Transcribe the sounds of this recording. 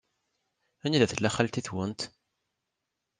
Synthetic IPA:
æniðæθəlːæχælt̪iθwənt̪

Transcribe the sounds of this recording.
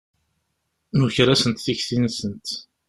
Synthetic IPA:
nuçɾæsənt̪θiçθinsənt̪

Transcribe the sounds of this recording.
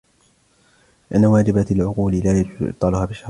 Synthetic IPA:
lɪʔanːawaːd͡ʒɪbalʕʊquːlɪlaːjad͡ʒʊzʔɪ̰t̪ːˤɑːlʊhaːbɪʃɑ

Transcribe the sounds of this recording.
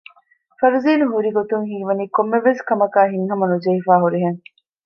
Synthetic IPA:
fɐɾuziːnuɦuɾiɡot̪uŋɦiːʋɐniːkomːeʋeskɐmɐkaːɦiŋɦɐmɐnud͡ʒɐifaːɦuɾiɦeŋ

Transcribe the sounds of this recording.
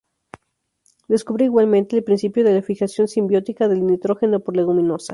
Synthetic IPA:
d̪e̞skuβɾiiɣwalmẽnt̪eːlpɾinsipjo̞ðe̞lafixasjo̞nsimbjo̞t̪ikaðe̞lnit̪ɾo̞xe̞no̞poɾleɣumĩno̞sa

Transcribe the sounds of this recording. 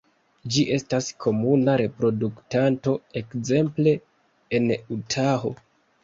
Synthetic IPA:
d͡ʒiʔe̞staskʰo̞munaɾe̞pɾo̞duktanto̞e̞kze̞mple̞ | enutʰaɦo̞̰

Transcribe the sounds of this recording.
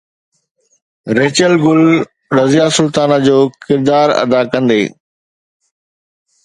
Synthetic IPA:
ɾeːt͡ɕəlɡʊl | ɾɐzijasʊlt̪aːnad͡ʑoːkɪɾd̪aːɾɐ̰d̪akɐ̃nd̪ḛː

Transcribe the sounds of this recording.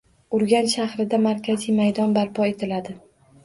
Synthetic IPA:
ʊɾɡʲanʃahɾɪd̪amaɾkʲʰazijmajd̪ɒnbaɾpʰɒet̪ʰɪlad̪ɪ

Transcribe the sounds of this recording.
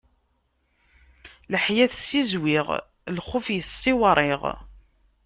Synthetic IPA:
ləħjæθsːizwɪʁ | lχʊfjəsɪwɾˤɪʁ

